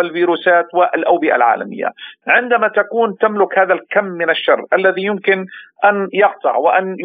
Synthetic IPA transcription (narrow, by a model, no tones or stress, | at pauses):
ɪlviːɾuːsaːt̪wɪʔalʔawbɪʔa̰lʕa̰ːla̰mɪ̰jːa̰ʕɪnd̪amat̪akuːnt̪amlʊkhaːðalkamːɪnaʃːɑrˤːʔalːaðijʊmkɪnʔanjɑqt̪ˤɑ̰ʕwɪʔan